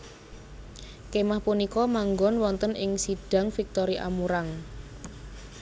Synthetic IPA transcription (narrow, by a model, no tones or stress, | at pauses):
kemahpunikɔmaŋɡɔnwɔnt̪ənɪŋsiɖ̥a̤ŋfik̚t̪ɔɾiʔa̰muɾaŋ